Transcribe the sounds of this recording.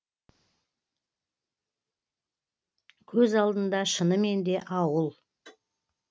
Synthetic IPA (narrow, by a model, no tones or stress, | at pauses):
kʲʰɵzɑlˠd̪ənd̪ɑʃənəme̞nd̪e̞ʔɑwəlˠ